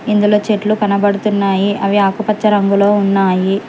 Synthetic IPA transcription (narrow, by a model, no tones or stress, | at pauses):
ind̪ulo̞ːt͡ʃeʈlukɐnɐbɐɽut̪unːaːjiʔɐʋiaːkupɐt͡ʃːɐɾɐŋɡulo̞ːunːaːji